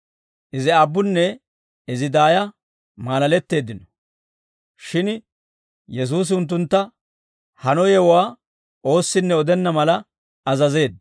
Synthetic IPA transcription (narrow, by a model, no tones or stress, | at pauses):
ʔɪzɪabːʊnːɛ | ɪzɪd̪aːjɐ | maːlɐlɛt̪ːe̞ːd̪ɪnɔ | ʃɪn | jɛs̬uːs̬ɪʊnt̪̬ːʊnt̪ːɐ | hɐnɔjɛwwaː | o̞ːsːɪnːɛɔd̪ɛnːɐmɐlɐ | ɐzɐze̞ːd̪